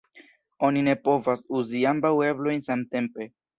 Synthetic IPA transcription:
o̞nine̞po̞vasuziambawe̞blo̞jnsamte̞mpe̞

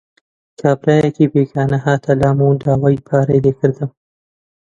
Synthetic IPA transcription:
kʰɑːbɾɑːjakebeɡɑːnaɦaːt̪ʰalɑːmud̪ɑːwɑːjpʰɑːɾajlekɨɾd̪əm

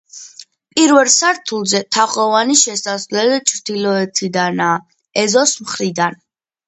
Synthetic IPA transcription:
pʼiɾvɛlˠsaɾt̪ʰulˠzɛt̪ʰaχʼɔvaniʃɛsasvlɛlit͡ʃʰɾd̪̥ilɔɛt̪ʰid̪anaː | ɛzɔsmχɾid̪an

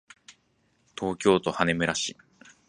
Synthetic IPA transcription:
t̪ʰo̞ːkʲo̞ːt̪o̞hane̞mɯɾaɕi

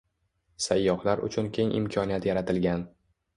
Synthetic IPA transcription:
sajːɒχlaɾʊ̰t͡ʃʰʊnkʲʰe̞ŋʔɪ̰mkʲʰɒnijat̪jaɾat̪ʰɪlɡʲan

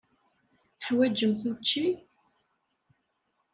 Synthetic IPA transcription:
ħwæd͡ʒəmθmət͡ʃːi

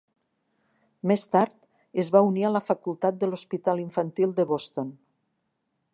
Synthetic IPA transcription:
mest̪aɾt̪ | ezβaunialəfakulˠt̪at̪̚d̪əlospit̪aliɱfant̪ilˠd̪əβost̪on

